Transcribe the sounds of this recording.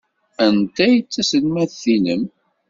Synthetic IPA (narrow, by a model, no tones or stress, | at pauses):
ænt̪æjt͡sːæsəlmæθinəm